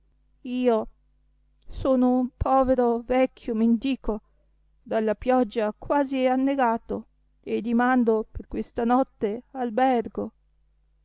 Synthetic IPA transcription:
iːo | soːnoumpʰɔːveɾovɛkʰʲːjomend̪iːko | d̪alːapjɔd͡ʒːakwaːzianːeɡaːt̪o | ed̪imand̪operkwest̪anɔt̪ːealbɛrɡo

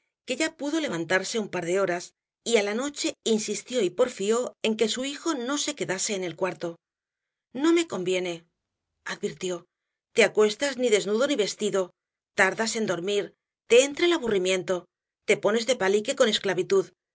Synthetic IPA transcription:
ke̞ʎapuðo̞le̞βant̪aɾse̞umpaɾðe̞o̞ɾas | ialano̞t͡ʃe̞insist̪jo̞ipo̞ɾfio̞e̞ŋke̞suixo̞no̞se̞ke̞ðase̞ːne̞lkwaɾt̪o̞ | no̞me̞ko̞mbje̞ne̞ | aðβiɾt̪jo̞ | t̪e̞akwe̞st̪azniðe̞znuðo̞niβe̞st̪iðo̞ | t̪aɾðase̞nd̪o̞ɾmiɾ | t̪e̞ent̪ɾelaβurimjẽ̞nt̪o̞ | t̪e̞po̞ne̞zðe̞palike̞ko̞ne̞sklaβit̪uð

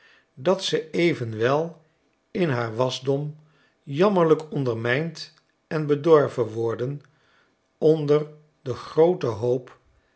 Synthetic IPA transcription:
dɑtsəejvənʋɛlˠ | ɪnɦaːɹʋɑzdɔm | jɑməɹləkʰɔndəɹmɛjnt | ɛnbədɔɹvənʋɔɹdən | ɔndər | dəχrowtəɦowp

